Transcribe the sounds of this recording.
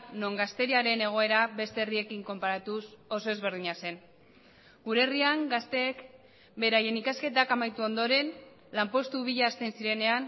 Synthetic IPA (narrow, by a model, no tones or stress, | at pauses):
no̞ŋɡast̪e̞ɾiaɾe̞ne̞ɣ̞o̞e̞ɾaβbe̞st̪e̞ːrie̞kiŋko̞mpaɾat̪usoso̞e̞zβe̞ɾð̞iɲase̞n | ɡuɾeriaŋɡast̪ek | be̞ɾaje̞nikaske̞t̪̬akamajt̪uo̞nd̪o̞ɾe̞n | lampo̞st̪uβ̞iʎaːst̪e̞nsiɾe̞ne̞an